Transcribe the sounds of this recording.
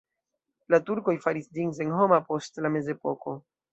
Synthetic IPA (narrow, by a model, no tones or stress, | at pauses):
latuɾko̞jfaɾisdiŋs̬enho̞mapo̞stlame̞ze̞po̞ko̞